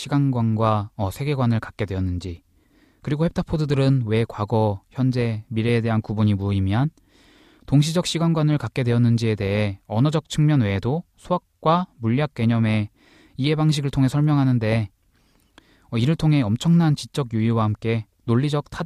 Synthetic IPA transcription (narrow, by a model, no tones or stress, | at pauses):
ɕʰiɡanɡwanɡwaʌsʰe̞ɡe̞ɡwanɯɭkḁk̚k͈e̞dwe̞ʌnːɯnd͡ʑi | kɯɾiɡohe̞p̚tʰapʰodɯdɯɾɯnwe̞kwaɡʌçjʌnd͡ʑe̞miɾe̞ːde̞ɦankubuɲimuimjan | toŋɕ̬ʰid͡ʑʌk̚ɕ͈ʰiɡanɡwanɯɭkak͈e̞dwe̞ʌnːɯnd͡ʑie̞de̞ɦe̞ʌnʌd͡ʑʌk̚t͡ɕʰɯŋmjʌnwe̞dosʰuak̚k͈wamuʎːjak̚k͈we̞ɲʌme̞ | ie̞baŋɕ̬ʰiɡɯɭtʰoŋɦe̞sʰʌɭmjʌŋɦanɯnde̞ | ʌiɾɯɭtʰoŋɦe̞ʌmt͡ɕʰʌŋnant͡ɕik̚t͡ɕ͈ʌɡjuiwahamk͈e̞ | noʎːid͡ʑʌk̚tʰa